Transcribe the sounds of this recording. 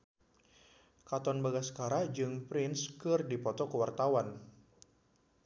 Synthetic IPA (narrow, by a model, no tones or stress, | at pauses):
kat̪ɔnbaɡasə̥kaɾad͡ʒɨŋpɾɪnskɨrdipɔt̪ɔkəwart̪awan